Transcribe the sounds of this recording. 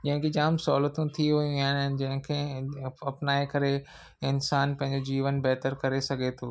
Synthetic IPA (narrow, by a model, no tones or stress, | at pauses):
d͡ʑɐ̃ɦɪ̃ŋkʰed͡ʑaːmsɔːlət̪ũt̪ʰiʋɐjũaːnnɪ̆d͡ʑɐ̃ɦɪ̃kʰẽːɐpnaːekɐɾe | ɪnsaːnpɐ̃ɦɪ̃ɲd͡ʑod͡ʑiːʋənbɛɦt̪əɾkɐɾesɐɡʱet̪ʰoː